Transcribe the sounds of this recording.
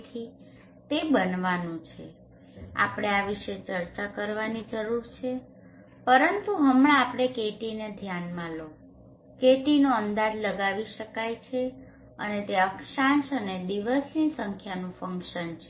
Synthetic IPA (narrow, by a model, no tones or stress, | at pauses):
t̪ʰi | t̪ebənʋanũt͡ʃʰe | a̰pɽ̃eaʋiʃet͡ʃəɾt͡ʃakəɾʋanid͡ʒəɾuɾt͡ʃʰe | pəɾənt̪uɦəmɭãːpɽ̃ekeʈined̪ʱjanmãlo | keʈinoənd̪ad͡ʒləɡaʋiʃəkajt͡ʃʰe | ə̰net̪eəkʃãʃəned̪iʋəsnisəŋkʰjanũfəŋkʃənt͡ʃʰe